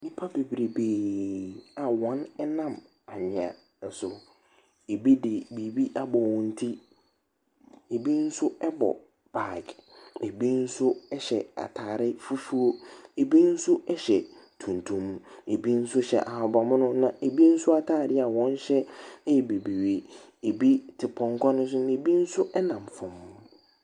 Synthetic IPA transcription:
mĩ˦pʰa˦be˨bɾi˨beː˨ | a˨wɔ̃˦nɛ˦nã˦˨m | a˨mɪ̃˨a̰˨ | n̩˨sʊ˨ | e˨bi˦dɪ˨bi˨bi˦ʔa˦bɔ˨wɔ̃˨n̩˦tʰi˦ | e˨bi˦n̩˦sʊ˦ɛ˦bɔ̰˨ | b̥a˨ɡe˨bi˦n̩˦sʊ˦ɛ˦ɕɛ̰˨a̰˨tʰaː˨ɾɪ˦fu˦fu˦o˦e˨bi˦n̩˦sʊ˦ɛ˦ɕɛ˨ | tʰũ˨ntʰũ˨m˦e˨bi˦n̩˦sʊ˦ɕɛ̰˨ʔa˨ha˨ba˨mʊ̃˦nʊ̃˦nã˨ʔe˨bi˦n̩˦sʊ˦a˦tʰaː˦˨ɾɪ˦a˨wɔ̃˦n˦ɕɛ˦jɛ˨be˨bi˨we˦ | e˨bi˦tʰɪ˨pʰɔ̃˨ŋ˦kʷʰɔ˦nʊ̃˦s̬ʊ˦n˨e˨bi˦n̩˦sʊ˦ʔɛ˦nã˨m˨fʊ̃˨mː˦

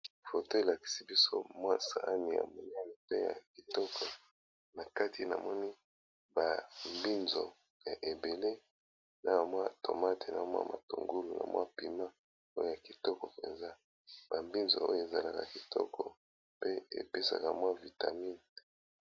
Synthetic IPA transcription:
fo˨to˦e˨la˨ki̥˨si˦bi˦so˦mwa˦sa̰˨ʔa˦ni˨a̰˨mɔ˨ni˦a˨ni˨te˦ja̰˨ki˨tɔ˦kɔ˨ | na˨ka˦ti˨na̰˨mɔ˦ni˦ | ba˨mbi˦nzo˨ | ja˨ʔe˨be˨le˦ | na˨ba˨mwa˦to˨ma˦tʰe˨na̰˨a˨mwa̰˦ma˨to˨ŋɡu˦lu˨na̰˨mwa̰˦pi˨ma˦ | o˦jo˦ja˨ki˨tɔ˦kɔ˨pe˨nza˦ | b̥a˨mbi˦nzo̰˨o˦jo˨e˨za˨la˨ka˨ki˨tʰɔ̰˦kʰɔ˨ | pe˦ḛ˨pe˦sa̰˨ka˨mwa˦vi˨ta˨mi˦n

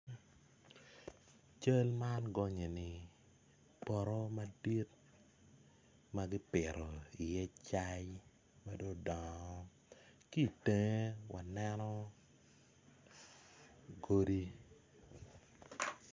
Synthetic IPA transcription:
t͡ʃə˦lma˦nɡɔ˦ɲe˨nɪ˨ | pɔ˨ɾɔ˦ma˦di˦t | ma˦ɡi˦pɪ˨ɾɔ˨i˨jɛ˦t͡ʃa˦j | ma˦do˦dɔ˨ŋ˦ | ki˦˨te˨ŋe˦wa˨nɛ˦nɔ˦ | ɡo˦di˦

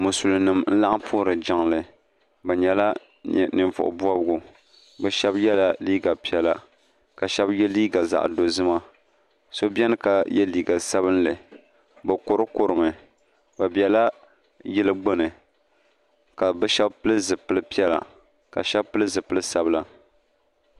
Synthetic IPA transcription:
mʊ˨su˨lɨ˨nɨ˨mn̩˦la˦ʔa˦pʰʊː˦ɾɨ˨d͡ʒa˨˦ŋlɨ˨ | bɨ˨ɲɛ˨la̰˦˨ | nɨ˨ɱvʊ̰˨ʔʊ̰˨bu˦a˦bɡʊ˨ | bɛ˦ʃɛ˦bjɛ˦la˦liː˦ɡa˨pi˦ɛ˨la˨ | ka˨ʃɛ˦bjɛ˦liː˦ɡa˨za̰˨ʔdo˨zɨ˦ma˦ | so˦bɛ˦nɨ˦ka˨jɛ˦liː˨ɡa˨sa˦βɨ˦nlɨ˨ | bɨ˨ko˨ɾɨ˦ko˨ɾɨ˨mɨ˨ | ba˨bi˨ɛ˨la˦ | jɪ˦lɨ˦ɡ͡bo˦nɨ˨ | ka˨bɛ˦ʃɛ˦bpɨ˦lɨ˦zɨ˨pɨ˦lɨ˦pi˦ɛ˦la̰˨ | ka̰˨ʃɛ˦bpɨ˦lɨ˦zɨ˨pɨ˦lɨ˦sa˦bɨ˦la˦

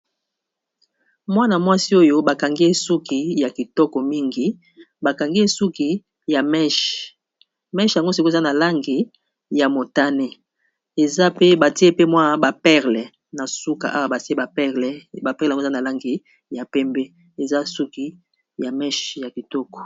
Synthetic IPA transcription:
mwa˦na˨mwa˦si˦o˦jo˦ba˨ka˨ŋɡi˦e˦su˦ki˨ja˨ki˨tɔ˦kɔ˨mi˦ŋɡi˨ | ba˨ka˨ŋɡi˦e˦su˦ki˨ | ja˨mɛ˦ʃ | mɛ˦ʃja˨ŋɡo˦si˨ko˦˨za˦na˨la˦ŋɡi˨ | ja˨mo˨ta˦ne˦ | e˨za˦pe˦ba˨ti˦e˦pe˦mwa˦˨ba˨pɛ˦ʁlɛ˨ | na˨su˦ka̰˨ʔa̰˦wa˦ba˨ti˦e˦ba˨pɛ˦ʁlɛ˨ba˨pɛ˦ʁlŋ˦˨˦a˦na˨la˦ŋɡi˨ | ja˨pɛ˦mbe˦ | e˨za˦su˦ki˨ | ja˨mɛ˦ʃja˨ki˨tɔ˦kɔ̥˨

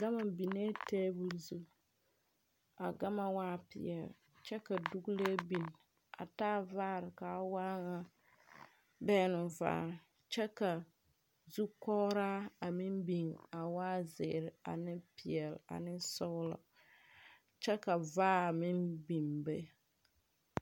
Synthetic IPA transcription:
ɡa˦ma˨bi˨ne˦te˦bu˦lzu˦ | a˨ɡa˦ma˦waː˦pɪ̰˨ɛ̰˨l | t͡ʃɛ˦ka˨du˦ɡu˦le˦bi˨n | a̰˨taː˦vaː˦˨ɾɪ˨ka˨˦waː˦ŋa˦ | bɛ˦nʊ˨va̰ː˦˨ | t͡ʃɛ˦ka˨ | zu˦kɔː˦ɾa˦a˨mi˦mbi˨ŋa˨waː˦zɪ̰˨ɾɪ˨a̰˨nɪ˦pɪ˨ɛ˨la̰˨nɪ˦sʊ˦lɔ̰˨ | t͡ʃɛ˦ka˨vaː˦a˨mɪ˦mbi˨mbe˦

